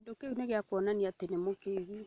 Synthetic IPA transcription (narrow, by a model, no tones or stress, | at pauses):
ndokeuneɣeakwɔnaniatenemokeɣi